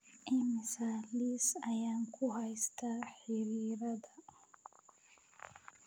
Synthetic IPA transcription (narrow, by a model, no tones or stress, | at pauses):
ʔɪmɪsaːliːsɐjaːŋkʰʊɦɐjst̪ʰaːħɪɾiːɾɐðɐ